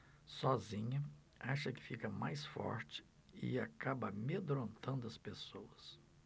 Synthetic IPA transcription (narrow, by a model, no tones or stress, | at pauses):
sɔzĩɲɐ | aʃɐkɪ̥fikɐmajsfɔ̰ɾt͡ʃɪ̥ | ɪ̰akabɐmed̪ɾõnt̪ɐ̃nd̪ʊɐspesowɐs